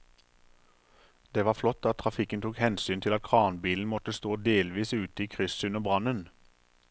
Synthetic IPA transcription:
d̪̥eːʋɑːflɔt̪ːɑt̪t̪ʰʁɑfɪkənt̪ʰuːkhɛnsyːnt̪ʰɪlɑt̪̚kʰʁɑːnbiːln̩mɔt̪əst̪oːd̪eːlʋiːsʉːt̪əiːkʰʁʏsʉnəʁbʁɑnən

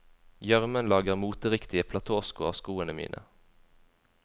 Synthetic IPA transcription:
jœʁmənlɑːɡəʁmuːt̪əʁɪkt̪ɪəpʰlɑt̪ʰoːskʊɑ̰ʋskuːənəmḭːnʔə̰

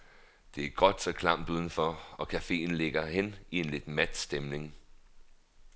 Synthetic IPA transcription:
d̥e̝æɐɡ̥ɒ̽d̥sɒ̽kʰlɑ̈m̰d̥uð̞ˠn̩fɒ̽ɒ̽kʰæfe̝̰ːn̩le̝ɡ̥ɐhen̰ie̝nle̝d̥mæd̥sd̥emne̝ŋ

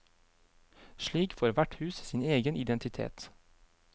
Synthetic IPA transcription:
ʃɭiːkfoːɾʋæʈhʉːssiːneːɡənʔɪd̪ɛnt̪ɪt̪ʰḛːt̪

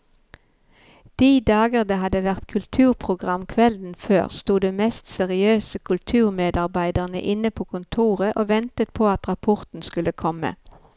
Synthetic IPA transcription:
d̪̥iːd̪ɑːɡəʁd̪əhɑd̪əʋæʁt̪kʰʉlt̪ʰʉːʁpʰʁʊɡʁɑmkʰʋɛld̪n̩føːʁst̪uːd̪eːmɛst̪sɛʁɪøːsəkʰʉlt̪ʰʉːʁmeːd̪ɑʁbæɪd̪əʁnə̰ʔɪnəpʰoːkʰʊnt̪ʰuːʁəʔoːʋɛnt̪ət̪̚pʰoːɑt̪ʁɑpʰɔʁt̪n̩skʉləkʰɔmə̰

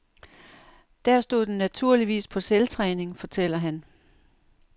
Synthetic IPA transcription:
d̥æɐ̰sd̥o̝ðˠd̥enːæt͡sʰuɐ̰liʋḭːspʰɒ̽selt͡sʰʁɛːne̝ŋfɒ̽t͡sʰel̰ɐɦæn

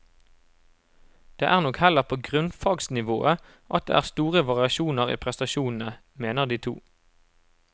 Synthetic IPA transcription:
d̪̥ḛːʔæːʁnɔkhɛləʁpʰoːɡʁʉnfɑːɡsnɪʋo̰ːʔə | ʔɑt̪̚d̪ḛːæːʁst̪uːʁəʋɑʁɪɑʃuːnəʁḭːpʰʁɛst̪ɑʃuːnn̩ə | meːnəʁd̪iːt̪ʰṵː

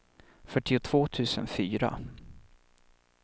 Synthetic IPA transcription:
fœʈːɪʊt̪ʰv̥oːt̪ʰʉ̟ːsənfyːɾa̰

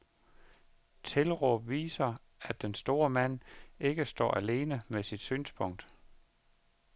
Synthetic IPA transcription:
t͡sʰe̝lʁɔʋḭːsɐ | æd̥ːensd̥o̝ːɐmæn̰e̝ɡ̥əsd̥ɒ̰ːæle̝ːnəmesid̥sy̰ːnspʰɔ̽ŋ̰d̥

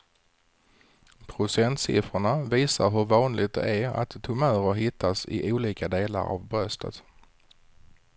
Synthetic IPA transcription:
pʰɾʊsɛnt̪sɪ̰fɾʊɳaviːsaɾɦɵɾvɑːnlɪt̪̚d̪ɛ̰ʔæa̰t̪tʰːɵmœːɾəɦɪt̪ʰːasɪ̰ʔuːliːkad̪eːla̰ɾa̰vbɾœst̪ə̰t̪

